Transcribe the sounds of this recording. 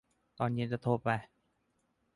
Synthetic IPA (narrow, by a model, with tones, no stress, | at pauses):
t̪ɔː˧˩nji˧˥˨nt͡ɕa˧˩t̪ʰoː˧˩pa˧˩j